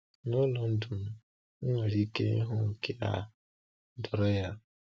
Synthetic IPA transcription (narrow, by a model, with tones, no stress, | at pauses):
no˦lɔ˨n̩˦du˨m˨ | ŋ̩˦ŋa˨ɾi˦kḛ˦ɦʊ˦ŋ̩˨ke˦a̰˦ | dɔ˨ɾɔ˦ja˦